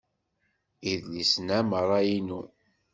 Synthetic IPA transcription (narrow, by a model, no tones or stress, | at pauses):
iðlisnæməɾˤːɑjinu